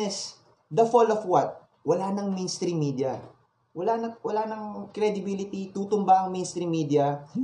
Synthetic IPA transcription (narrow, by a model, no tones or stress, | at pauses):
ɛs | d̪ɐfolofwɐt̪̚ | wɐlanɐŋmenst̪ɾimːid̪jɐ | wɐlanɐwɐlaːnɐŋkɾɛd̪ɪbilɪt̪it̪uːt̪ʊmbaʔɐŋmẽjnst̪ɾimːiːd̪ɪjɐ